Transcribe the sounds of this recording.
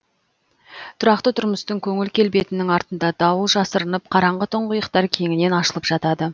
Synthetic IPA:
t̪ʰʊɾɑqt̪ət̪ʰʊɾməst̪əŋkʲʰɵŋɪlkʲʰe̞lbe̞t̪ɪnɪŋɑɾt̪ənd̪ɑd̪ɑwəlˠʒɑsəɾənəp̚qʰɑɾɑɴʁət̪ʰʊɴqʊjəqt̪ɑɾkʲʰe̞ŋɪne̞nɑʃəlˠəpʒ̥ɑt̪ɑd̪ə

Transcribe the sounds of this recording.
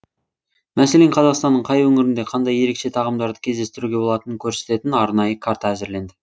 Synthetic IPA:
mæse̞le̞ɴqʰɑzɑqst̪ɑnːəɴqʰɑjwɵŋɪɾɪnd̪e̞qʰɑnd̪ɑje̞ɾe̞kʃe̞t̪ʰɑʁəmd̪ɑɾd̪əkʲʰe̞zd̪e̞st̪ɪɾuɡʲe̞bo̞lˠɑt̪ənəŋkʲʰɵɾse̞̥t̪e̞t̪ɪnɑɾnɑjəkʰaɾt̪aæzɪɾle̞nd̪ɪ

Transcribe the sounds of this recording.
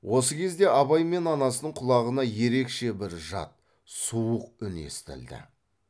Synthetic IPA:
wʔo̞səkʲʰe̞zd̪e̞ʔɑbɑjme̞nɑnɑsənəɴqʰʊlˠɑʁənɑje̞ɾe̞kʃe̞bɪɾʒɑ̰t̪̚ | suəq̚ʏne̞̰st̪ɪ̰ld̪ɪ̰

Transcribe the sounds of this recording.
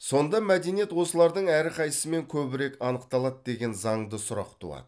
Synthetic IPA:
so̞nd̪ɑmæd̪e̞nije̞t̪wo̞səlˠɑɾd̪əɴæɾɪqʰɑjəsəme̞ŋkʲʰɵbɪɾe̞kɑnəq̚t̪ɑlˠɑt̪̚d̪e̞ɡʲe̞nzɑɴd̪əsʊɾɑqt̪ʰṵɑ̰d̪ə

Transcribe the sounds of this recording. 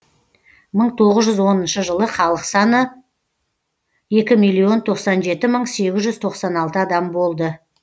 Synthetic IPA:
məɴt̪ʰo̞ʁəzʒʏzwo̞nənʃəʒəlˠəχɑlˠəqsɑnə | je̞kʲɪmijlːˠio̞nt̪ʰo̞qsɑnʒe̞t̪ɪməɴse̞ɡʲɪzʒʏzt̪ʰo̞qsɑnɑlˠt̪əɑd̪ɑmbo̞lˠd̪ə

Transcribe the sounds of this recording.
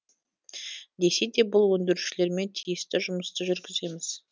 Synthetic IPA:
d̪e̞se̞jd̪e̞bʊlˠwɵnd̪ɪɾuʃɪle̞ɾme̞nt̪ʰijɪst̪ɪʒʊməst̪əʒʏɾɡʲɪze̞mɪz̥

